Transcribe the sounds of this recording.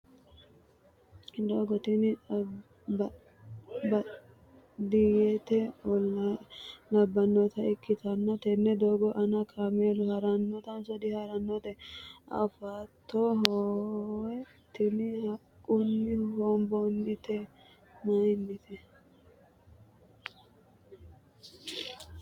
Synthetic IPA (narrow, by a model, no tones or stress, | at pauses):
d̪oːɡɔt̪ɪnɪ | bɐ | d̪ɪjɛt̪ɛɔlːɐlɐbːɐnːɔt̪ɐɪkːɪt̪ɐnːɔt̪ɛnːɛd̪oːɡɔʔɐnɐkʰameːlʊhɐɾɐnːɔt̪ɐnsɔd̪ɪhɐɾɐnːɔt̪ɛɐ̰fat̪ʰːoɦowɛ | t̪ːɪnɪhɐkʼːʊnːɪwɔmbɔnːɪt̪ɛ | mɐjnːɪt̪ʰɛ